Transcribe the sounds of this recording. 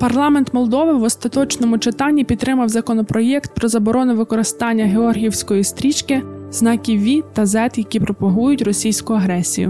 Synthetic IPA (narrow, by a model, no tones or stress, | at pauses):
pɐrlˠɑment̪mɔlˠd̪ɔʋɪwɔst̪ɐt̪ɔt͡ʃnɔmʊt͡ʃɪt̪ɑnʲːipʲit̪t̪ːɾɪmɐwzɐkɔnɔpɾɔjɛkt̪̚pɾɔzɐbɔɾʔɔnʊʋɪkɔɾɪst̪ɑnʲːɐɦeɔrɦʲiiwsʲkɔjist̪ɾʲit͡ʃkɪznɑkʲiʋʲit̪ɐzɛt̪jɐkʲipɾɔpɔɦujʊtʲrɔsʲijsʲkʊɐɦɾɛsʲijʊ̰